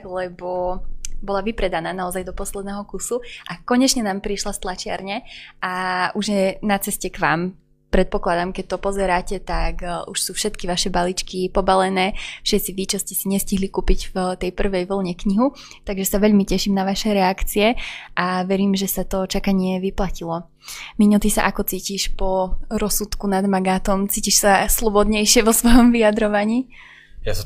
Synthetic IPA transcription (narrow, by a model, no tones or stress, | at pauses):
lɛbɔbɔlaʋipɾɛd̪anaːnaɔzajd̪ɔpɔslɛd̪nɛɦɔkusuʔakɔɲɛt͡ʃɲɛnaːmpɾiʃlast̪lˠat͡ʃɪa̰ɾɲɛʔauʒjɛnat͡sɛscɛkʋaːm | pɾɛt̪̚pɔklad̪amkɛc̚t̪ɔpɔzɛɾaːcɛt̪akuʃsuːfʃɛt̪kiʋaʃɛbalit͡ʃkipɔbalɛnɛːfʃɛt̪t͡siʋit͡ʃɔscɛsiɲɛsciɦlikuːpiɟft̪ɛjpr̩ʋɛjʋl̩ˠɲɛkɲiɦu | t̪aɡʒɛsaʋɛʎmicɛʃimnaʋaʃɛɾɛakt͡siɛʔaʋɛɾiːmʒɛsat̪ɔt͡ʃakaɲɪɛʋiplacilɔ | miɲɔt̪isa̰ʔakɔt͡siːciʃpɔɾɔsut̪kunad̪maɡaːt̪ɔmt͡siːciʃsaslˠɔbɔd̪ɲɛjʃɪɛʋɔsʋɔjɔmʋijad̪ɾɔʋaɲiː | ja